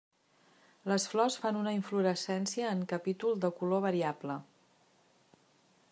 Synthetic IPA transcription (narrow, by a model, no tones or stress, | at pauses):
ləsflɔsfanunəiɱfluɾəsɛnsiəːŋkəpit̪ulˠd̪əkuloβəɾiablə